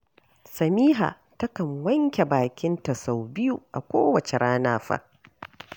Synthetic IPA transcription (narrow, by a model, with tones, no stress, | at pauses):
sɐ˨miː˦ɦa̰˨ | tɐ˦kɐ˨ŋwɐ˦ŋkʲe˨baː˨kʲɪ˦nta˨sa˨wbɪ˦ju˦˨ʔa˨kʷo̰ː˦wɐ˨t͡ʃe˨ɾʔaː˦naː˦ɸa̰˦